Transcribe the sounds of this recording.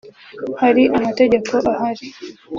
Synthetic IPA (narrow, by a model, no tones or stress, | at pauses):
haɾiʔamatɛʄapɔʔahaɾi